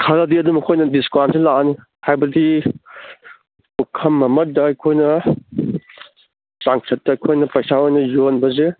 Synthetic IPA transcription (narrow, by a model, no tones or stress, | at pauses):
kʰaɾadiɐdumɐkʰojnɐdiskansʰelaani | hajbɐdi | ukʰɐmːɐmɐt̚dɐːjkʰojnɐ | saŋsʰɐt̚dɐːjkʰojnɐpɐjsaojnɐjonbɐze